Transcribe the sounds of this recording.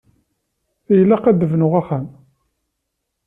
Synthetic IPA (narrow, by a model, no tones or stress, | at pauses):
θæjəlːæqæd̪əvnʊʁæχæm